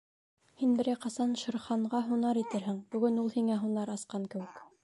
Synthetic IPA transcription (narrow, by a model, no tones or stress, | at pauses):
hinbɘ̆ɾæjqɑsɑnʃɤ̆ɾχɑɴɢɑɦunɑɾit̪ɘɾɦɘŋb̥ɵ̆ɡɘnulˠhiŋæɦunɑɾɑsqɑŋkɘ̆wɘ̆k